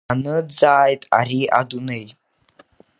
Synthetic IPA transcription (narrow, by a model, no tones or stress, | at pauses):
nɨd͡zaːjtʼa̰ɾiʔa̰dunej